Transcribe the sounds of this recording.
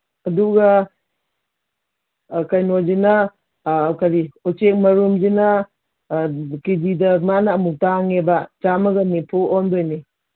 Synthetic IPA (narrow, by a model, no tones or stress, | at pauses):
ɐduɡa | kajnod͡ʒina | kaɾiut͡ʃek̚mɐɾumd͡ʒina | kididɐmanaːmuk̚taŋebad͡ʒamɐɡɐnipʰuondojni